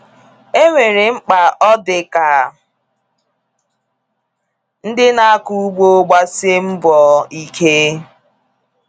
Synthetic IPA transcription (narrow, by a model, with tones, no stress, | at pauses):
e˦ŋʷe˨ɾe˨ŋ͡m̩˦k͡pa˨ʔɔ˦dɪ˨ka˨ | n̩˦dɪ˦na˦a˦ku˦u˦ɡ͡bo˦ɡ͡ba˦sɪ˦m̩˦bɔ˨i˨kʰe˦